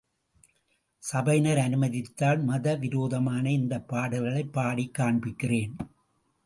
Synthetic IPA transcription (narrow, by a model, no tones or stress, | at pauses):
sɐbɐɪnɐɾɐnɯmɐðɪt̪ːaːlmɐðɐʋɪɾoːðɐmaːnɐɪnd̪ɐpːaːɽɐlɣɐɭɐɪpːaːɽikːaːɳbɪkːɪreːn